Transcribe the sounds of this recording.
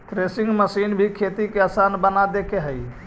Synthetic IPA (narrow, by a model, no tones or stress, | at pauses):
t̪ɾesĩŋɡməsinbʱikʰet̪ikeəsanbənad̪ekʰeɦəj